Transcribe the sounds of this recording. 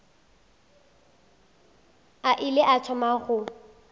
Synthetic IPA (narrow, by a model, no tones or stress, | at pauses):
aʔɪlɪʔat͡ʃʰɔmaχʊ